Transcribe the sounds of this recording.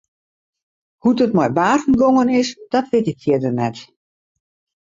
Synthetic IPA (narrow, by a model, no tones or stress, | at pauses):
hudətmɔjbaːtn̩ɡoŋənɪsd̥ɔtʋɪtɪk̚tʰiədərnɛt